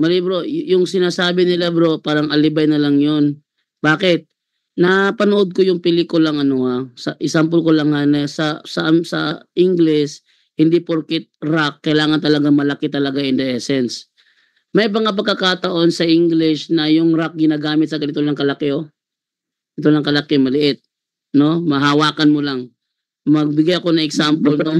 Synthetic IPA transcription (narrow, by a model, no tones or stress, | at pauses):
mɐlibɾo̞jʊŋsɪnaːsaːbɪnɪlɛbɾo̞paːɾɐŋʔɐlɪbɐjnɐlɐŋjon | baːkɪt̪̚ | napɐnʊʔod̪̚kojʊŋpɪlikʊlɐŋɐnohasɐʔɪsamp̬olkolɐŋhanɐsɐsɐsɐ̰ʔɪŋɡlɪs | hɪnd̪ipoɾkɪt̪̚ɾakːɐjlaːŋɐnt̪ɐlɐɡaŋmɐlɐkɪt̪ɐlɐɡaʔɪnd̪ɛʔɛsɛns | mɐjbɐŋap̬ɐɡkːɐkaːt̪ɐʔo̞nsɐʔiŋɡlɪʃnɐjʊŋɾak̚ɡɪnaːɡaːmɪt̪sɐɡɐnɪt̪onɐŋkɐlɐkɪo | ɐnɪt̪onɐŋkɐlakɪmɐlɪʔɪt̪̚ | no̞mɐɦawaːkɐnmolaŋ | mɐɡ̚bɪɡajɐko̞nɐŋɛɡsampolno